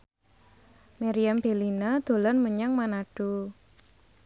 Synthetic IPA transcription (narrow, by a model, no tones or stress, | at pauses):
maɾiamb̥e̤linad̪̥o̤lɔnməɲaŋmanaɖ̥u